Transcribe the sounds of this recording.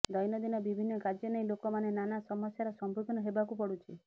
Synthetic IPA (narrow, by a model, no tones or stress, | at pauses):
d̪ɔjnɔd̪inɔbibʱinːɔkad͡ʒjɔneĩlokɔmanenanasɔmɔsjaɾɔsɔmbukɔnɔɦebakupɔɽut͡ʃʰi